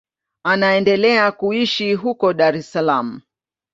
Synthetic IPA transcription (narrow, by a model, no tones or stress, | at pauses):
anaɛndɛlɛakuiʃiɦukɔɗaɾɛsalam̩